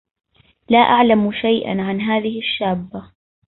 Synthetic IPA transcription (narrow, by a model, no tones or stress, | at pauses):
laːʔaʕlamʃajʔa̰nʕanɦaːðɪhɪʃːaːbːa